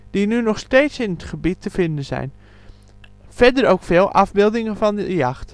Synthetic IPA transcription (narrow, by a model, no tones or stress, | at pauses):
d̥inynɔxsteːtsɪnətχəbitːəfɪndənzɛ̰jn | fɛdəɾowkfeːlˠʔɑvbɪlˠdɪŋəvɑndəjɑxt